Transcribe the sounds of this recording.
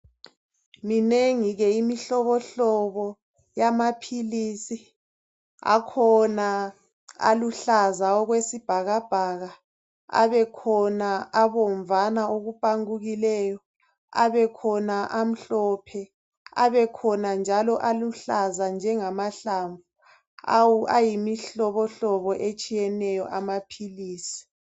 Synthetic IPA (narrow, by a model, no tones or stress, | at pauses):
mineŋiɣɛimiɬɔβɔɬɔβɔ | jamapʰiliːsi | a̰kʰɔna | a̰luɬazaɔɣwesib̥ʱaɣab̥ʱaɣa | a̰βɛkʰɔnaaβɔɱvanaoɣupʼaŋuɣilɛːjɔ | a̰βɛkʰɔnaʔam̩ɬɔpʰɛ | a̰βɛkʰɔnand͡ʒʱalɔʔaluɬazand͡ʒʱɛŋamaɬaɱvu | awuajimiɬɔβɔɬɔβɔʔet͡ʃʼijɛnɛjɔʔamapʰiliːsi̥